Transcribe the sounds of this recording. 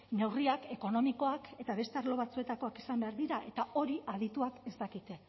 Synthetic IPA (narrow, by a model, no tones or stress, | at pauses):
ne̞wriake̞ko̞no̞miko̞ake̞t̪aβe̞st̪eaɾlo̞βat͡sue̞t̪ako̞akisambe̞aɾðiɾaʔe̞t̪ao̞ɾiʔað̞it̪uake̞st̪akit̪e